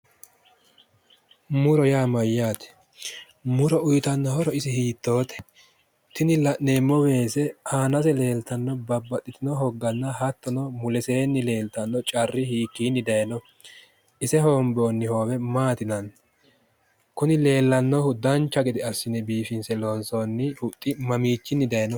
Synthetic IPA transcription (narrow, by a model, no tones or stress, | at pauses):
mʊɾɔjaːmɐjːaːt̪ɛ̥ | mʊɾɔʊjt̪ɐnːɔhɔɾɔɪsɪhiːt̪ːo̞ːt̪ɛ̥ | t̪ɪnɪlɐʔneːmːɔwe̞ːsɛaːnɐsɛle̞ːlt̪ɐnːɔbɐbːɐt̪ʼːɪt̪ɪnɔɦɔɡːɐnːɐhɐt̪ːɔnɔmʊlɛseːnːɪle̞ːlt̪ɐnːɔt͡ʃʼɐrːɪhiːkːiːnːɪd̪ɐjɐnɔ | ʔɪsɛɦoːmboːnːɪhoːwɛmaːt̪ɪnɐn | kʊnɪle̞ːlːɐnːɔhʊd̪ːɐnt͡ʃːɐɡɪd̪ɪɐsːɪnɛbiːfɪnsɛlonsoːnːɪhʊt̪ʼːɪmɐmiːt͡ʃːɪnːɪd̪ɐjnɔ